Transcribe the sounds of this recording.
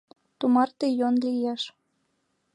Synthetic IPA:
t̪umɑrt̪ejonlijeʃ

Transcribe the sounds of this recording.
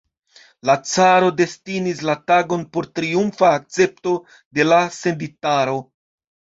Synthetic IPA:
lat͡saɾo̞de̞stinislataɡo̞npo̞ɾtɾiumfaːk̚t͡se̞p̚to̞ | de̞lase̞nditaɾo̞

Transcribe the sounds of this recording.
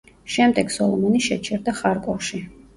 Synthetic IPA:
ʃɛmd̪ɛɡsɔlˠɔmɔniʃɛt͡ʃʰɛɾd̪aχaɾkʼɔɾʃi

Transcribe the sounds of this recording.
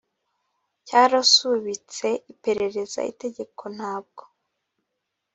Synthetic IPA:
caːɾasuβit͡se̞ʔipe̞ɾe̞ɾe̞za̰ḭte̞ɟe̞kʰo̞n̥haːb̚ɡo̞

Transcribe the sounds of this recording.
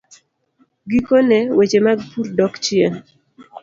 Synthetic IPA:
ɡikonɛwet͡ʃemaɡpuɾdɔkt͡ʃɪen

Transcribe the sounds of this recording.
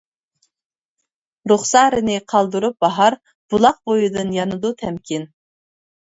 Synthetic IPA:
ɾuχsɑɾɨnɨqʰɑlˠd̪uɾup̚bɑɦɑɾ | b̥ulˠɑq̚bojud̪ɨnjɑnɨd̪ut̪ʰɛmkʲin

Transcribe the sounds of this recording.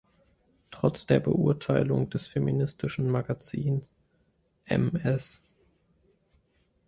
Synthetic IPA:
tʁ̥ɔt͡sd̥eːɐbə̰ʔʊɐtʰaɪlʊŋdɛsfeminɪstʰɪʃn̩maɡat͡siːns | ʔɛ̰mɛs

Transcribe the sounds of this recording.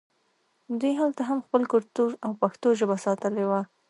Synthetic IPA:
d̪ujɦalt̪aɦamxpəlkʊɾt̪uʒawpaxt̪oʒəbasɑt̪əlewa

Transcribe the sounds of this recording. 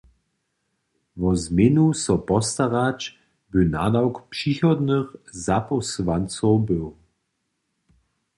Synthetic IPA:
vɔzmenusɔpɔst̪aʁat͡ʃ | bəna̰d̪awkpʂixɔd̪nəxzapɔsvant͡sɔwbəw

